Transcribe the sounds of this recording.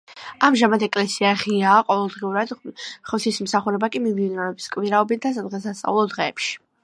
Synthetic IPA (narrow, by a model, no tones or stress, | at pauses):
amʒamad̪ʰɛkʼlɛsiaʁiaːqʼɔvɛlˠd̪ʁiuɾad̪̥χɔt̪ʰism̩saχuɾɛbakʼimid̪inɔɛbiskʼmiɾaɔbit̪̚ʰd̪asad̪ʁɛsast̪sʼa̰vlˠɔd̪ʁɛːpʃi̥